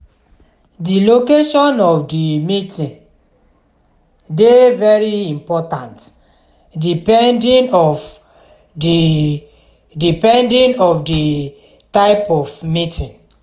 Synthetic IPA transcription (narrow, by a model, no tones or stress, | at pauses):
dilokeʃɔnɔfdimitĩn | devɛɾiĩmpɔtãnt | dipɛndĩnɔf | di | dipɛ̃ndĩnɔfdi | taɪpɔfmitĩn